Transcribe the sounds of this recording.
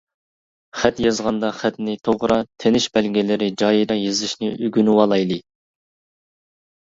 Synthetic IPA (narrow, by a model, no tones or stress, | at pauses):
χɛt̪jɑzʁɑnd̪ɑχɛt̪nɪt̪ʰoʁɾɑt̪ʰenɪʃbɛlɡʲɪlɪɾɪd͡ʒɑjiɾɑjezɪʃnɪʔyɡʲynywɑlˠɑjlˠɨ